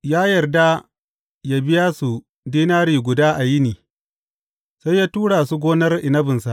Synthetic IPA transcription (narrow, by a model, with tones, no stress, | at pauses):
jaː˦jɐ˨rda˦ | ja˦bɪ˦jaː˦su˨ | diː˦naː˦ɽiː˨ɡʷʊ˨daː˦ʔa˨jɪ˦niː˨ | sa˦jːaː˦tuː˦ɽaː˨su˦ɡʷoː˦nɐ˦rʔɪ˨nɐ˦bɪ˨nsa˨ʔ